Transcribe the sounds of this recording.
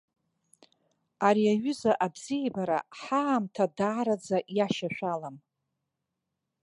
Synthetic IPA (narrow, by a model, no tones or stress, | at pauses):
aɾiaɥʏzaʔabz̥iebaɾa̰ħaːmtʰadaːɾad͡zaʔjaʃaʃʷᶣalam